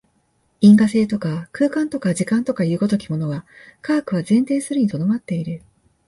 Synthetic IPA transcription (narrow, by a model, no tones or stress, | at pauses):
ĩŋɡase̞ːt̪o̞kakɯ̟ːkãnt̪o̞kaʑikãnt̪o̞kaiɯ̟ɡo̞t̪o̞kʲimo̞no̞ɡakaːkɯ̟βazẽ̞nt̪e̞ːsɨɾɯ̟ɲ̟it̪o̞d̪o̞mat̪ːe̞iɾɯ̟